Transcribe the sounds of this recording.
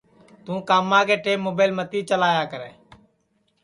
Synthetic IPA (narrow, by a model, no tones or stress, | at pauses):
t̪ũːkaːmːãːkeːʈeːmːoːbəɪlmət̪iːt͡ʃəlaːjaːkəɾeː